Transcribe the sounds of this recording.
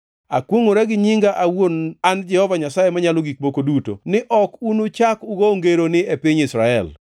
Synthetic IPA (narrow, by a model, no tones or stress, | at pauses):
a̰kwoŋoɾaɡɪɲiŋɡaʔawonand͡ʒɛhɔvaɲasajemaɲaloɡik̚bokoduto̰nɪʔɔkunot͡ʃakuɡoŋɡeɾonɪepɪɲɪsɾaɛ̰l